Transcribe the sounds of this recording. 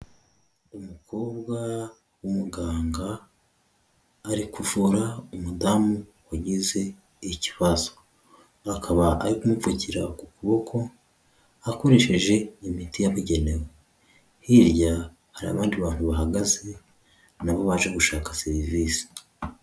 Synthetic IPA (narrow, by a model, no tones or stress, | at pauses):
umukʰo̞ːbɡwa | wumuɡaːŋɡa | ɾikuvuɾaumudamuwaɟize̞ | ici̥βazo̥ | akʰaβaaɾikumuvuciɾakukuβo̞kʰo̞ | ako̞ɾe̞ʃe̞ʒe̞imitijaβuɟe̞ne̞we | hiɾɟa | haɾia̰βaːndiβaːn̥huβaɦaɡaze̞ | naβo̞βaːʒe̞ɡuʃaːkḁseɾiviːsi̥